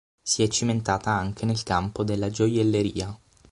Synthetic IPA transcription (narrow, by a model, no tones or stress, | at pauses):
siɛt͡ʃːiment̪aːt̪aaŋk̟ʰenelkampod̪elːad͡ʒojelːeɾḭːa